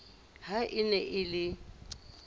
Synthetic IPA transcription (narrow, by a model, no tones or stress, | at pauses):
ɦaʔɪnɛʔɪlɪ